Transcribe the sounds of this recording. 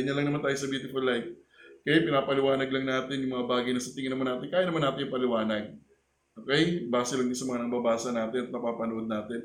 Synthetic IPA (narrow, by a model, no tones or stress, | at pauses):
ɐɲɐlɐŋnɐmant̪aːjsɐbjuːt̪ɪfɐlːajf | kɐjapɪnaːpɐlɪwaːnɐɡ̚lɐŋnaːt̪ɪnjʊŋmɐŋabaːɡɐjnɐsɐt̪ɪŋɪnɐmanaːt̪ɪnkaːjanɐmanːaːt̪ɪnjʊŋpɐlɪwaːnɐɡ̚ | ʔokɛjbaːsɛlɐŋd̪ɪnsɐmɐŋanɐŋbɐbaːsɐnaːt̪ɪnɐt̪̚mɐpaːpɐnoʔod̪̚naːt̪ɪn